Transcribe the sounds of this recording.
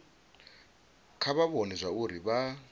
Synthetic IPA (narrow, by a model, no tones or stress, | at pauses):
kʰaβaβonɛzʷauɾiβa